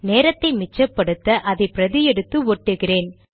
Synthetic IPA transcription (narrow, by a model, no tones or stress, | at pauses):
neːɾɐt̪ːɐɪmɪt͡ʃːɐpːɐɽɯt̪ːɐʔɐðɐɪpɪɾɐðɪjɛɽɯt̪ːɯɔʈːɯɣɪreːn